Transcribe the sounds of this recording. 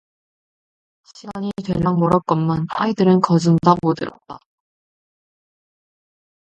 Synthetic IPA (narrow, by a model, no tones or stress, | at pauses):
ɕʰiɡaɲitwe̞ʎːaŋmʌɾʌt̚k͈ʌnmanaidɯɾɯnkʌd͡ʑɯndamodɯɾʌ̰t̚t͈a